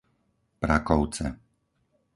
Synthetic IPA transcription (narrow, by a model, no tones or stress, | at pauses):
pɾakɔʊt͡sɛ̰